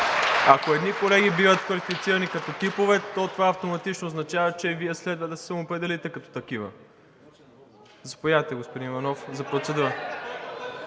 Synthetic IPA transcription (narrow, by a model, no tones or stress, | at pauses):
akoɛd̪nikolɛɡʲibivət̪̚kvɐlifit̪siɾɐnikɐt̪ɔt̪ipovɛt̪ɔt̪ovaɐft̪omɐt̪it͡ʃnoːznɐt͡ʃavɐt͡ʃɛviɛslɛd̪vəd̪ɐsɛ̥sɐmoːpɾɛd̪ɛlit̪ɛkɐt̪ɔ̥t̪ɐk̟ivə̰ | zɐpojat̪ɛɡospod̪invɐnɔfzɐpɾot̪sɛd̪uɾə